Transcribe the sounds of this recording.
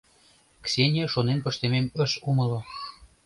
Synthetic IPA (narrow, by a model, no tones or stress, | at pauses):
ksʲenʲeʃonenpɤ̆ʃt̪ememə̆ʃumɤ̆lo